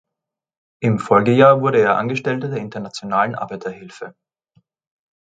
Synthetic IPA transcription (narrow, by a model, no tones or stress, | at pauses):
ʔɪmfɔlɡəjaːɐvʊɐɾəeːɐʔa̰nɡəʃtɛltədeːɐɪntɐnat͡sjonaːlənʔa̰ɐbaɪtɐhɪlfə